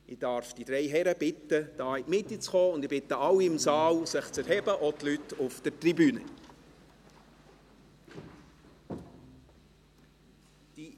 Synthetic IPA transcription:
ɪd̥ɑɾfd̥id̥ɾɛɪɦɛɾəb̥ɪt̪ːəd̥ɑːɪmɪt̪ːit͡sχɔːʊnd̪ɪbɪt̪əɑwiɪmsɑːwsəχt͡sɛɾɦɛbəʔɔtlytʊfd̥ətribyːnə | d̥i

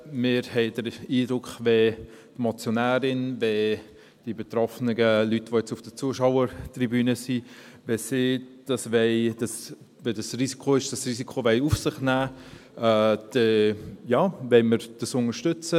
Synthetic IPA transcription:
mɪɾhɛɪd̥əɾiːdɾʊkχve | tmot͡sjonæːɾɪnve | d̥ibet̪ɾɔfnəɡəlytʋojɛt͡sʊfd̥ət͡suəʃaʊəɾtribyːnəsi | vesɪd̥ɑsvɛɪd̥ɑs | vedɑsrisi̥kʰoɪʃd̥ɑsrisikʰovɛɪufsɪχnæː | d̥ɛjɑːvɛɪməɾd̥ɑsʊŋəʃtʏt͡sə

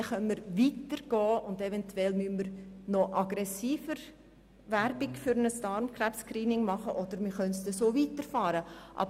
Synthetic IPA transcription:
χœnməɾvitəɾɡ̥ɔːʊndɛvɛntwɛlmynməɾnɔʔɑɡɾɛsiːfəɾ | væɾbɪkfyɾnəstɑɾmkʰræpskriːnɪŋmɑχəʔɔd̥əɾmɪχœntsdesoːviːtəɾfɑːɾəʔɑ̰b

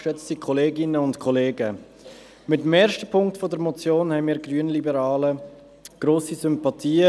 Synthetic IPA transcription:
ʃɛt͡stikʰɔleːɡɪnəʊntkʰɔleːɡə | mɪtmɛːɾʃtəpʰʊŋktfɔdəɾmɔt͡sjoːnhɛɪmiːɾɡɾyənlibəɾɑːlə | ɡ̥ɾoːsisʏmpɑtʰiː

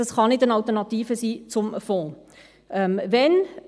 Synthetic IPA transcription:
ɑsχɑnɪtənɑltəʁnɑtiːvəsiːt͡sʊmfɔ̃ː | ʔɛmvɛn

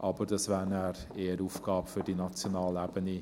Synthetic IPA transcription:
ʔɑbəɾd̥ɑsvæːɾnæːɾeːəɾuːfɡ̥ɑːbfʏɾdinɑt͡sjonɑːlæb̥əni

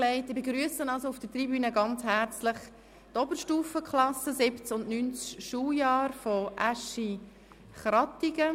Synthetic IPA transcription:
lɛɪtɪbeɡɾyəsənɑlsoʊfd̥ətribyːnəɡɑnt͡shæɾt͡slɪχ | tɔbəɾʃtuːfəkχlɑsəzɪbt͡sʊnnynt͡sʃuːjɑːɾfoʔæʃi | χɾɑtiɡə

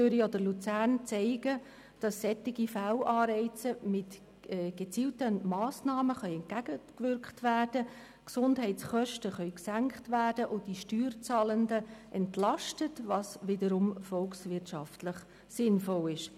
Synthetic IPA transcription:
t͡søɾiɔd̥əlut͡sæːɾnt͡sɛɪɡ̥ə | d̥ɑsːɛtɪɡifælʔɑːɾɛɪt͡səmɪt | ɛːɡ̥et͡siːltəmɑːsnɑːməχœʏɛntɡæɡəkvʏɾkχtʋæːrd̥ə | ksʊndɦɛɪtsχœʃtəχœʏksæŋkχtʋæːrd̥əʔʊd̥iʃtyːrt͡sɑːləndəʔɛntlɑʃtətvɑsvɪdəɾʊmfɔlksvɪtʃɑftləχ | sɪnfɔlɪʃ

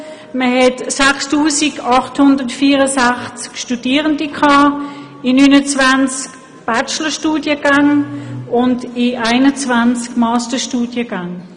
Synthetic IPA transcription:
məhɛtsakstuːsiɡɑχthʊndətfiːʁəsaχt͡skʃtudiːəʁəndikʰɑː | inyːnət͡svant͡sk | b̥at͡ʃləʃtuːdjəɡ̥aŋʊndiʔaɪnət͡svant͡skmɑːstəʃtuːdjəɡaŋ

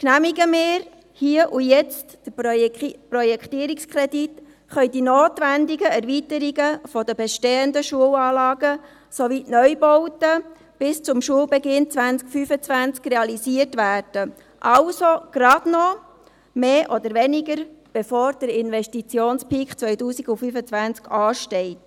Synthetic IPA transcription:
knæmiɡəmɪːɾ | hiəʔujɛt͡std̥ə | prɔjɛkχt̪iːəɾikskʰɾɛdit | χœʏdinoːtʋændɪɡəɛɾvitəɾiɡəfɔdəbɛʃteːəndəʃuəwɑːlɑːɡə | soʋitnœʏbɔwtə | b̥ɪst͡sʊmʃuəwbɛɡɪnt͡sʋænskfyfət͡sʋænt͡skrɛɑlisiərtʋæːrd̥ə | ʔɑwsoɡ̥ɾɑdnɔ | meːʔɔd̪əɾʋɛnɪɡəɾb̥efoːɾd̥əɾɪnʋɛstit͡sjoːnspikχt͡sʋœjtuːsiɡufyfət͡sʋænt͡skʰɑːʃtɛɪt

